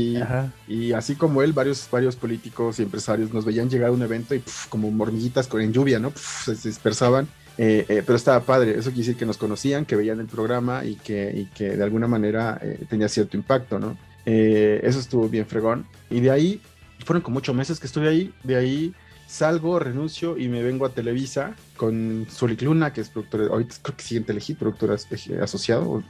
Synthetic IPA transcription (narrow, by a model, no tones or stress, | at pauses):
sihaiasiko̞mo̞e̞lbaɾjo̞sbaɾjo̞spo̞lit̪iko̞sie̞mpɾesaɾjo̞zno̞zβe̞ianʝe̞ɣ̞aɾune̞βe̞nt̪o̞ipu̥ko̞mo̞mo̞ɾmiɣit̪askone̞nɲd͡ʒuβjano̞pu̥seseðispe̞ɾsaβan | eʔepeɾoest̪aβapaðɾe̞ḛs̬okjeɾsiɾke̞no̞sko̞no̞siaŋkeβe̞iane̞lpɾo̞ɣɾamaʔḭkeḭke̞ðealɣunamãneɾaḛt̪eniasje̞ɾt̪oimpak̚t̪o̞no̞̰ | ee̞̰s̬o̞es̬t̪uβo̞βje̞ɱfɾe̞ɣo̞n | iðeai | fweɾo̞ŋko̞moot͡ʃomeseskest̪uβeaiðeai | salɣo̞re̞nũnsjo̞ʔime̞β̞e̞ŋɡoat̪e̞le̞βisa | ko̞nsoliklunakeespɾoðuk̚t̪oɾʔa̰ɾit̪ḁkɾeke̥siɣent̪elexit̪̚pɾoðuk̚t̪o̞ɾasḛa̰so̞sjaðo̞̰